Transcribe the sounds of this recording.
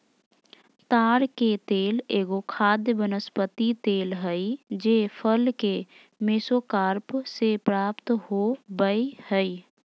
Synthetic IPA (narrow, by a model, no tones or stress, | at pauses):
t̪aːɾket̪eːleːɡokʰaːd̪jəbənəspət̪it̪eːlɦəɪd͡ʒeːpʰəlke | meːsokaːɾpsepɾaːpt̪ɦobəihəi